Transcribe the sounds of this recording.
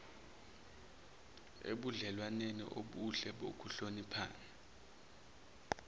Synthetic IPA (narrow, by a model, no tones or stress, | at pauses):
ḛɓuɮɛlwanenḭʔoɓuɬɛɓokʰuɬonipʰa̰ːnɛ